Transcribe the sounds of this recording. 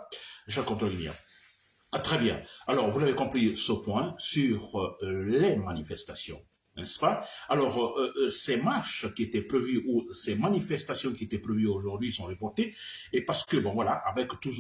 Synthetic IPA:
ʒakɔ̃t̪ʁəɡinja̰ | t̪χɛbjɛ̃alɔʁvuzavekɔ̃pχisəpwɛ̃syʁlemanifɛst̪asjɔ̰̃ | nɛspaalɔʁøsɛmaʁʃkʲiet̪ɛpʁevyʔusɛmanifɛst̪asjɔ̃kʲiet̪ɛpχevyoʒuʁd̪ɥisɔ̃ʁepɔʁt̪eepaʁsə̥kəbɔ̃vwalaʔavɛkt̪u

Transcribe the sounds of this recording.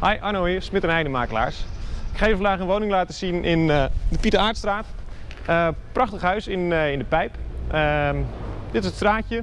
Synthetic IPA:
hajʔanoismɪtənɛjdəmaːkəla̰ːɹsɪkχajəfɔndaːχənʋownɪŋlaːtəsinʔɪndəpitəaːɹtstraːt | əprɑχtəχɦœɥsɪnɪndəpɛjpə | dɪtɪsətstraːcə

